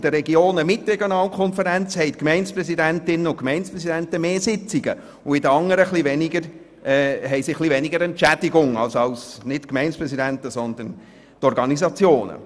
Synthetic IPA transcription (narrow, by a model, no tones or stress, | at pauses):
d̥əɾɛɡioːnəmɪtɾɛɡjonɑːlkʰɔnfəɾænt͡shɛɪtkmɛɪnspɾɛsidæntɪnːəʊkmɛɪnspɾɛsidæntəmeːsɪt͡siɡə̰ | ʊɪdəɑŋːəɾəχlivɛnɪɡəɾ | ʔɛːɦɛɪsiχlivɛnɪɡəɾɛntt͡ʃæd̥ɪɡʊŋɑ̰lsɑlsnɪtkmɛɪnspɾɛsidænt̪əsɔnd̪ən | t̪ɔɾɡɑnizɑt͡sjoːnə̰